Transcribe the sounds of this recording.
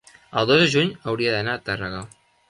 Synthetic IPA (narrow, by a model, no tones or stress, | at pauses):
əlˠd̪ozəʒuɲawɾiaðanat̪araɣa